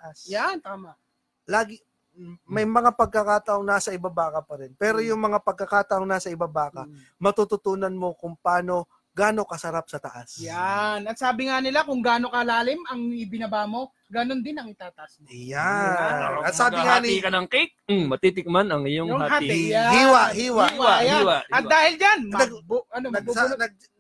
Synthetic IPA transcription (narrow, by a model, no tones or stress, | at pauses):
ʔasjant̪aːma | laːɡɪ | mɐjmɐŋapɐɡ̚kɐkaːt̪ɐʔoŋnaːsɐʔɪbabaːkɐpɐɾɛnpɛːɾo̞jʊŋmɐŋapɐɡ̚kːɐkaːt̪ɐʔoŋnaːsɐɪbabaːkɐ | mɐt̪ut̪ʊt̪uːnɐnmo̞kʊŋpaːno̞ | ɡaːno̞kɐsɐɾap̚sɐt̪ɐʔasjjanɐt̪saːbɪŋanɪlakʊŋɡaːno̞kɐlaːlɪmɐŋɪbɪnɐbaːmo̞ | ɡɐno̞nd̪ɪnɐŋɪt̪aːt̪ɐʔasmoja | ɐt̪saːbɪŋanikɐnɐŋkik̩mɐt̪iːt̪ɪk̚manɐŋɪjoŋaajahiːwahiːwawwajhaiwaɐt̪d̪aːhɪld͡ʒannɐɡbɐnonɐɡnɐɡ̚